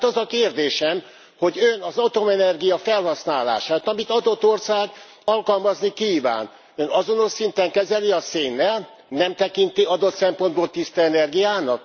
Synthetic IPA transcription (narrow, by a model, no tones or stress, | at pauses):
t̪ɒzɒkeːrd̪eːʃɛm | ho̞ɟønɒzɒt̪o̞mɛnɛrɡijɒfɛlhɒsnaːla̰ːʃaːt̪ɒmit̪ɒd̪o̞t̪ːorsaːɡ | ɒlkɒlmɒznikiːva̰ːn | ønɒzo̞no̞ʃsint̪ɛŋkɛzɛliɒseːnːɛl | nɛmt̪ɛkint̪iɒd̪o̞t̪sɛmpo̞nd̪̚boːlt̪ist̪ɛɛnɛrɡijaːnɒk̚